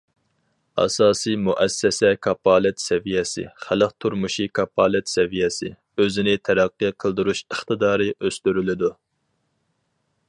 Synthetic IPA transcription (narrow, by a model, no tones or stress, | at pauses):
ɑ̰sɑːsijmuʔɛsːɛsɛkʰɑpɑːlˠɪt̪sɛvijɛsɪ̰χælˠəq̚t̪ʰuɾmuʃikʰɑpʰɑːlˠɛt̪sɛvijɛsɪ̰ | øzɪnɪt̪ʰɛɾæqːɨjqʰəlˠd̪uɾuʃəχt̪ɨd̪ɑːɾɨʔøst̪yɾylɪd̪u